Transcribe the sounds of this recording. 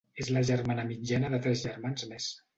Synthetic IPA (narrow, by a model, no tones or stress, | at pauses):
ezləʒərmanəmid͡ʒanəðət̪ɾɛzʒəɾmanzmɛs